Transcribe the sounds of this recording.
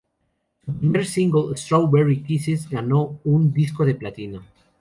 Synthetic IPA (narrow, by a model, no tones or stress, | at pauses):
meɾsiŋɡolst̪ɾowβeɹikisezɡanound̪iskoðe̞plat̪ino